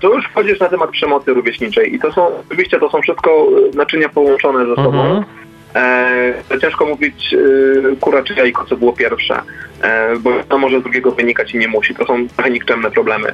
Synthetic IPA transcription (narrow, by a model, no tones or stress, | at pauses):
t̪ɔjuʂfxɔd͡ʑiʂnat̪ɛmat̪̚pʂɛmɔt̪sɨɾuvʲeɕɲit͡ʂɛjʔit̪ɔsɔ̃w̃ɔt͡ʂɨvʲiɕt͡ɕɛt̪ɔsɔ̃w̃fʂɘst̪̚kɔnat͡ʂɘɲapɔwɔnt͡ʂɔnɛzɛsɔbɔ̃w̃ | t͡ɕɛ̃ʂkɔmuvʲit͡ɕ | kuɾat͡ʂɘjaikɔt̪sɔbɘwɔpʲjɛɾfʂɛ̰ | bɔjnɔmɔʐɛzd̪ɾuɡʲɛɡɔvɘɲikat͡ɕiɲɛmuɕit̪ɔsɔ̃w̃t̪ɾɔxɛɲikt͡ʂɛmnɛpɾɔblɛmɘ̰